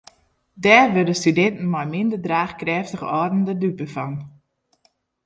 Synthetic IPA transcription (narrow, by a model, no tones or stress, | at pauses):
dɛːrʋødəstydɛntn̩mɔjmɪndərdraːχkrɛːftəχɔdəndədypəfɔn